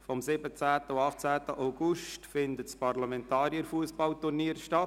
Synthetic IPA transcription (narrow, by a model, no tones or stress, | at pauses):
fɔmsɪbət͡sæːt̪əuɑχt͡sæːt̪əʔaʊɡuʃtfɪnd̪ət̪t͡spɑrlɑmɛnt̪ɑːɾjəɾfuəsbɑlt̪urniəɾʃtɑt